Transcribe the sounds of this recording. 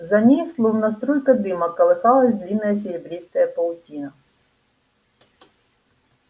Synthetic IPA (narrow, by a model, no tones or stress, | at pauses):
zɐnʲejslˠumnɐst̪ɾɔjkɐd̪ɪmɐkɐlˠɪxɑlˠɐzʲd̪lʲinːɐjɐsʲɪɾʲɪbɾʲejsk̪ɐjɐpɐlˠtʲinɐ